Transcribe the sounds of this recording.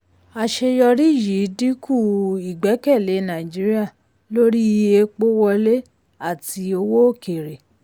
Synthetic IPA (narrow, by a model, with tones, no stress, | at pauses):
a˨ʃe˧jɔ˧ɾi˦˨ji˨˦di˦ku˦˨i˨ɡ͡bɛ˨˦kɛ˦˨le˨˦nã˨d͡ʒi˨˦ɾi˦a˦˨ | lo˦ɾi˦˧˦e˧˦k͡po˦wɔ˧le˦ | a˦˨ti˧o˧wo˦o˦˨ke˨ɾe˨